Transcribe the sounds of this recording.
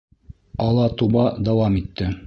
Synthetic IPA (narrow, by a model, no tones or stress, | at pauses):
ɑlˠɑt̪ubɑd̪ɑwɑmit̪ːɘ